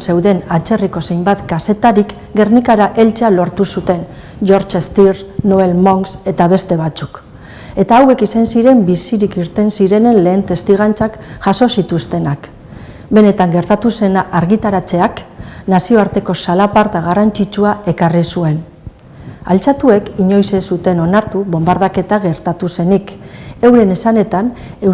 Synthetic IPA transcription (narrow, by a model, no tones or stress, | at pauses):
se̞wðe̞nat͡ʃe̞riko̞se̞jmbat̪kase̞t̪aɾik | ɡe̞rnikaɾaʔe̞lt͡sealo̞ɾt̪usut̪e̞n | ʝo̞ɾt͡ʃest̪iɾnoβe̞lmo̞ŋɡse̞t̪aβe̞st̪e̞β̞at͡su̥k | e̞t̪aːwe̞kisansiɾe̞mbisiɾikiɾt̪e̞nsiɾe̞ne̞nle̞ːnt̪e̞st̪iɣ̞ant͡sakʝaso̞sit̪ust̪e̞nak | be̞ne̞t̪aŋɡe̞ɾt̪at̪use̞naʔaɾɣit̪aɾat͡se̞aknasio̞aɾt̪e̞ko̞salapaɾt̪aɣ̞arant͡ʃit͡ʃuae̞karisue̞n | a̰lt͡sat̪ue̞kiɲo̞jsesut̪e̞no̞naɾt̪uβo̞mbaɾðake̞t̪aɣ̞e̞ɾt̪at̪use̞nike̞wɾe̞ne̞sane̞t̪ane̞